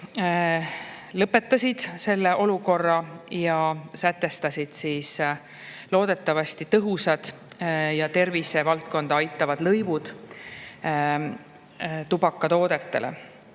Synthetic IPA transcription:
lɤpːˑe̞t̪ːˑɑsʲid̪̥se̞lːe̞ʔo̞luko̞rːɑjɑsæt̪ːe̞st̪ɑsʲid̪̥siːs | lo̞ːd̪̥e̞t̪ːˑɑvɑsʲt̪it̪ɤɦusɑd̪̥ | jɑt̪e̞rvise̞vɑlt̪̚ko̞nd̪̥ɑɑjt̪ːˑɑvɑd̪lɤjvud̪̥ | t̪ubɑkːˑɑt̪o̞ːd̪e̞t̪ːe̞lḛ

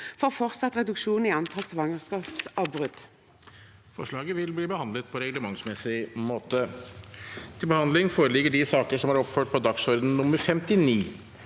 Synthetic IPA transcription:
fɔːʁfɔʁt̪sɑt̪ːʁɛd̪ʉkʃuːnɪɑnt̪ʰɑlsʋɑŋəskɑːpsɑʋbʁʉd̪̥ | fɔʂɭɑːɡəʋɪlbliːbəhɑnd̪lət̪̚pʰɔɾɛɡləmɑŋsmɛsɪmoːt̪ə | t̪ʰɪlbəhɑnd̪lɪŋfoːɾəlɪɡːəɖɪsɑːkəʂɔmɑɾɔpføːʈ̚pʰɔd̪ɑksɔɾd̪n̩nʊmːəɾfɛmt̪ɪniː

